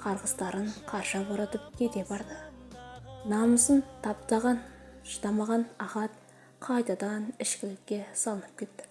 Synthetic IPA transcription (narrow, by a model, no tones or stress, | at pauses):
qʰɑɾʁəst̪ɑɾəɴqʰɑɾʃəboɾɑt̪əp̚kʲʰet̪e̞bɑɾd̪ə | nɑməsənt̪ʰɑp̚t̪ɑʁɑnʃət̪ɑmɑʁɑnɑʁɑt̪̚ | qʰɑjt̪ɑd̪ɑnɪʃkʲɪlɪkʲːe̞sɑlˠənəp̚kʲʰe̞t̪ːɪ̥